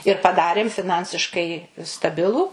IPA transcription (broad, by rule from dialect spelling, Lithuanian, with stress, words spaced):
ɪr pɐˈdɑːrʲeːm fʲɪˈnɐnʲsʲɪʃkɐɪ stɐˈbʲɪlˠuː